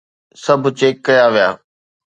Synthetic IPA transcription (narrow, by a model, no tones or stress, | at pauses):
sɐbʱʊ̆t͡ɕeːkːɐjaʋija̰ː